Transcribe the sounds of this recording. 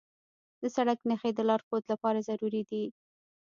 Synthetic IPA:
d̪əsaɽaknəxed̪əlɑɾkot̪lapɑɾazaɾuɾid̪i

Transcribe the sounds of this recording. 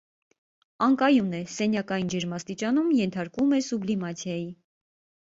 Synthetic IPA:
ɑŋkɑjunɛsɛnjɑkɑjind͡ʒɛɾmɑst̪it͡ʃɑnumjɛnt̪ʰɑɾkumɛsublimɑt͡sʰjɑji

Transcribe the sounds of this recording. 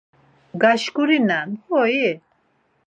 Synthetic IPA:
ɡaʃkuɾinanhɔjɛ

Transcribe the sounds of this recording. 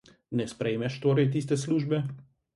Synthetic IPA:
nɛspɾɛjmɛʃt̪oːɾɛjt̪̬iːst̪ɛsluːʒbɛ

